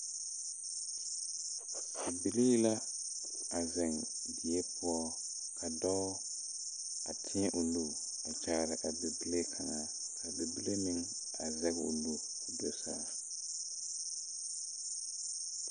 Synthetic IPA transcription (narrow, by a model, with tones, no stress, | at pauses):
a˨bi˦le˦jla˦ | a˨zɛ˨ŋ | bɪ˨ɛ˦pʰʊ˦ɔ˦ | kʰa˨dɔ˦ | a˨tʰɪ˦ɛ˦ʔʊ˨lu˦˨ | a˨t͡ʃaː˦˨ɾɪ˨ʔa˨bɛ˨bi˦le˦kʰa˨ŋa˨ | kʰa˨bɛ˨bi˦le˦nɪ˦ŋ | a˨zɛ˦ɣʊ̰˨lu˨ | dɔ˨saː˦